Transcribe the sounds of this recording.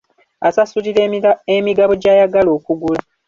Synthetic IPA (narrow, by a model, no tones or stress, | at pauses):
asasuliɾemiɡaβo̞ɟaːjaɡalo̞ːkuɡula